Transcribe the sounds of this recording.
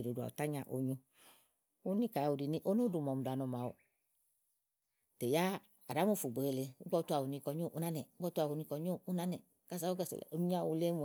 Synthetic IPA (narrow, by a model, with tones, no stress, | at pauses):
e˨ɾo˨du˨a̰˨ṵ˨ta˦ɲa˨ʔo̰˨ɲo˧ | u˦ni˦ka˨u˨di˨ni˦ʔo˦no˦du˨mɔ˨m˨da˨nɔ˨ma˨o̰˨ | te˨ja˦ | a˨ɾa˨˦mu˦˨fu˨ɡ͡be˨e˧le˧u˦ɡ͡bɔ˦tu˦a˨u˨ni˧kɔ˧ɲo˦˨ʔu˦na˦nɛ˨u˦bɔ˦tu˦a˨u˨ni˧kɔ˨ɲo˦u˦na˦nɛ˨ | ka˦sa˨˦o˦ɡɛ˦˨sḛ˨o˨˦mi˦ɲ˦a˦˨u˧le˦mu˨